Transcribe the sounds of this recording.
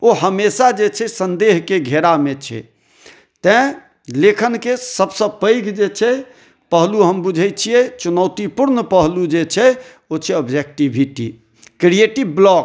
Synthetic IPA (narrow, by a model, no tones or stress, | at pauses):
oɦəmesad͡ʒet͡ʃʰɛsənd̪eɦkeɡʱeɾamet͡ʃʰɛ̰ | t̪ɛ̃ | lekʰənkesəbsə̃pəɪɡd͡ʒet͡ʃʰɛ | pəɦluɦəmbud͡ʒʱɛj̪̚t͡ʃʰijɛt͡ʃunəwt̪ipuɾnəpəɦlud͡ʒet͡ʃʰɛ | ot͡ʃʰɛobd͡ʒek̚ʈibʱiʈḭ | kɾieʈibblɔk